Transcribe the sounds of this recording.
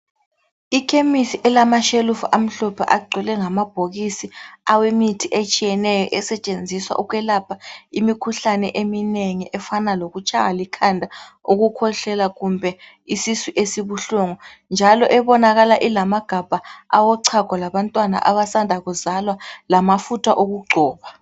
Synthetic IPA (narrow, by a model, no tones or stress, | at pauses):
ikʰemisiʔɛlamaʃelufʔam̩ɬɔpʰa̰ʔaɡ͡ǀʱilɛŋamab̥ʱoɣisiawemitʰiʔet͡ʃʼijɛnɛjɔʔɛsɛt͡ʃʼend͡zʱiswa̰ʔuɣwɛlapʰaimikʰuɬanɛʔemineŋiʔɛfanaloɣut͡ʃʼaŋalikʰandʱaoɣukʰɔɬɛlaɣumbʱɛ | isisiʔesiβuɬuŋɔnd͡ʒʱalɔʔɛβɔnaɣalaʔilamaɡ̥ʱab̥ʱaawɔǀʰaɡ̥ʱalaβantʼwana̰ʔaβasandʱaɣuzalwalamafutʰa̰ʔoɣuɡ͡ǃʱɔːβa